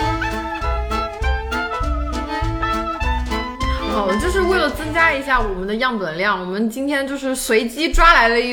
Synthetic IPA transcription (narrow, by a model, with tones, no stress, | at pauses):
xɑ˨˩ʊd̪t͡ɕjo˥˧ʊʂɻ̩˥˧we˥˩ɪlə˩t͡sɤ˥ŋt͡ɕja˥i˧˥ɕja˥˩wɔ˨˩mə˦nd̪ə˧jɑ˥˩ŋt̪wə˨˩nljɑ˥˩ŋwɔ˨˩mə˦nt͡ɕi˥nt̪ʰjɛ˥nt͡ɕjo˥˧ʊʂɻ̩˥˩swe˧˥ɪt͡ɕi˥ʈ͡ʂwa˥la˧˥ɪlə˧i˧˩